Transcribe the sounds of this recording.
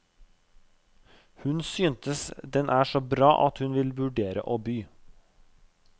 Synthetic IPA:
hʉnsyːnt̪əsd̪ɛnʔæːʃɔbɾɑːʔɑt̪hʉnʋɪlʋʉɖeːɾə̰ʔoːbyː

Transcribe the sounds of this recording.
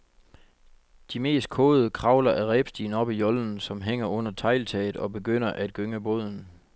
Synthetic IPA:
d̥ime̝̰ːsd̥̚kʰɔ̽ːð̩ˠəkʰʁɑ̈ʊlɐʔæʁɛb̥sd̥ḭːn̩ɒ̽b̥ijɒ̽ln̩sɒ̽mɦeŋ̰ɐʔɔ̽n̰ɐt͡sʰɑ̈ɪ̰lt͡sʰɛ̰ɪð̩ˠɒ̽be̝ɡ̥øn̰ɐʔæd̥̚ɡ̥øŋæb̥o̝ð̰ˠn̩

